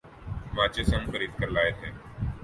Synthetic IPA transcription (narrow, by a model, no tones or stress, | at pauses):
ʋãːt͡ʃeːsə̃ŋxəɾiːd̪̚kəɾlaːeːt̪ʰeː